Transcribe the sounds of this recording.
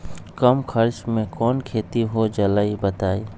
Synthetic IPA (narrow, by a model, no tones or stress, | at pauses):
kɐmkʰɐɾt͡ʃmẽkɔːnkʰeːt̪iɦod͡ʒɐlaːibɐt̪aːi